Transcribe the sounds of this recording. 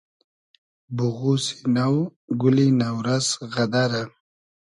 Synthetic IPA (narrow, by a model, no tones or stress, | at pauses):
bʊɣusinawɡʊlinawɾazɣad̪aɾa